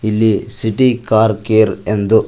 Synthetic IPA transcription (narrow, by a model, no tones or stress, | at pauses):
ilːisiʈikaːɾkeːɾend̪u